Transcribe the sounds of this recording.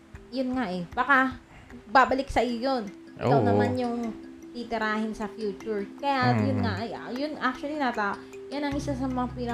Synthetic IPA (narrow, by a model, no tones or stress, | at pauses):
jʊnŋaʔɛbɐka | baːbɐlɪksɐʔɪjojon | ʔwnɐmanjʊŋt̪it̪ɪɾaːhɪnsɐfjuːt͡ʃʊɹkɐjajʊnŋaʔɐjjʊnʔak̚t͡ʃʊɐlinɐt̪aːʔo | janɐŋʔɪsasɐmɐŋapiːnɐ